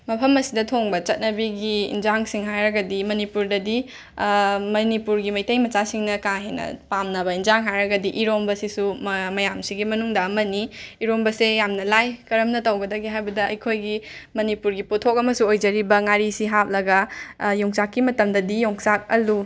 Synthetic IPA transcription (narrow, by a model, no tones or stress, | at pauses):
mɐpʰɐmɐsidɐtʰoŋbɐt͡ʃɐt̚nɐbiɡiḭnzaŋsiŋɦajɾɐɡɐdimɐnipuɾdɐdi | mɐnipuɾɡimɐjtɐjmɐt͡ʃasiŋnɐkaŋɦenɐ̰pamnɐβɐinzaŋɦajɾɐɡɐdiʔiɾombɐsisummɐjamsiɡimɐnuŋdɐːmɐniːɾombɐsejamnɐlajkɐɾɐmnɐtɐwɡɐdɐɡiɦajbɐdɐɐjkʰojɡimɐnipuɾɡiputʰok̚ɐmɐsuojd͡ʒɐɾibɐŋaɾisiɦap̚lɐɡɐjoŋsakːimɐtɐmdɐdijoŋsak̚ɐlu